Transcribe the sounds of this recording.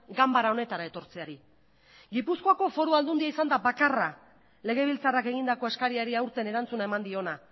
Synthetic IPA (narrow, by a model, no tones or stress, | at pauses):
ɡambaɾaone̞t̪aɾaet̪o̞ɾt͡se̞aɾi | ɡipuskoako̞fo̞ɾuald̪und̪iaisand̪abakara | le̞ɣ̞e̞β̞ilt͡sarake̞ɣ̞ind̪ako̞eskaɾiaɾiawɾt̪e̞ne̞ɾant͡sunae̞mand̪io̞na